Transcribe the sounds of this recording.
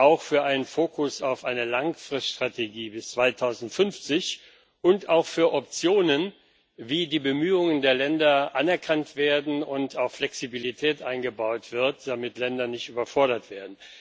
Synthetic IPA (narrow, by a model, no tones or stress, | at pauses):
ʔaʊxfyːɐʔaɪnənfoːkʰʊsaʊfʔaɪnəlaŋfʁ̥ɪstʃtʁ̥atʰeɡiːbɪst͡sv̥aɪtʰaʊzn̩tfʏnft͡sɪç | ʔʊntaʊxfyːɐʔɔp̚t͡sjoːnən | viːdiːbəmyːʊŋəndeːɐlɛndɐʔanɛɐkʰantv̥eːɐdn̩ʊntaʊxflɛksibilitʰɛːtʔaɪnɡəbaʊtv̥ɪɐt̚d̥amɪtlɛndɐnɪçtyːbɐfɔɐɾɐtv̥eːɐdn̩